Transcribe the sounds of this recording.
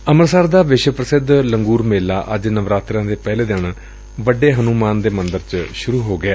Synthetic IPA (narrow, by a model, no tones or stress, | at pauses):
əməɾsaːɾd̪aːʋɪʃwəpɾəsɪd̪ləŋɡuːɾmeːlaːʔə̰d͡ʒnəʋɾaːt̪ɾãːd̪eːpɛːleːd̪eɳː | ʋəɖeːɦənuːmaːnd̪eːmənd̪əɾt͡ʃʃʊɾuːɦoːɡɪaː